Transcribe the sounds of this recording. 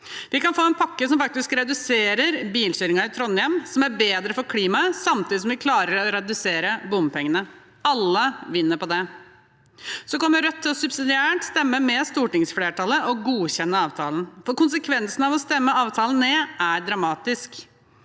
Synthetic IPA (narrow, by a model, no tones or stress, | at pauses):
ʋɪkɑnfoːɛnpʰɑkːəsɔmfɑk̚t̪ɪskɾɛd̪ʉseːɾəɾbiːlɕyːɾɪŋɑɾɪt̪ʰɾɔnjɛmsɔmæɾbeːd̪ɾəfɔɾkʰliːmɑsɑmt̪ʰiːd̪ɪsɔmʋɪkʰlɑːɾəɾɔɾɛd̪ʉseːɾəbʊmpɛŋːənə | ɑlːəʋɪnːəɾpɔd̪ɛ | sɔkɔmːəɾœt̪ʰːɪlɔsʉbsɪd̪ɪæːʈst̪ɛmːəmɛst̪uːʈɪŋsfleːʈʰɑlːəʔɔɡuːɕɛnːəɑːʋt̪ʰɑːln̩fɔɾkʊnsəkʰʋɛnsnɑʋɔst̪ɛmːəɑːʋt̪ʰɑːlən̩nːeːʔæɾɖɾɑmɑːt̪ɪsk